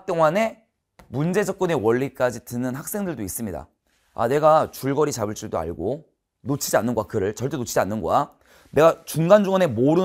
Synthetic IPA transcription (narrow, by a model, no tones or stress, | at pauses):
t͈oŋane̞ | mund͡ʑe̞d͡ʑʌk̚k͈ʌne̞wʌɭːik͈ad͡ʑitɯnɯnhak̚s͈e̞ŋdɯɭdois͈ɯmɲida̰ | a̰ne̞ɡat͡ɕuɭɡʌɾit͡ɕabɯɭt͡ɕ͈uɭdoa̰ɭɡo | not͡ɕʰid͡ʑianːɯnɡowakɯɾɯɭt͡ɕʌɭt͈e̞not͡ɕʰid͡ʑianːɯnɡo̰a | ne̞ɡat͡ɕuŋɡand͡ʑuŋʌne̞moɾɯ